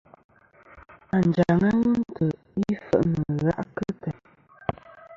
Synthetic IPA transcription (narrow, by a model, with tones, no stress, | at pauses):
a˨n˨d͡ʒa˨ŋa˦ŋə˦n˦tə˨ | i˦fə̰˨ʔnə˨ɣa̰˦ʔkə˦tɛ˨